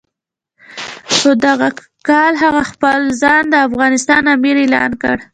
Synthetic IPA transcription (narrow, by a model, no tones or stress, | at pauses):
xod̪aɣa | kɑlɦaɣaxpəlzɑnd̪əafɣɑnɪst̪ɑnamiɾelɑ̰nkə̰ɽ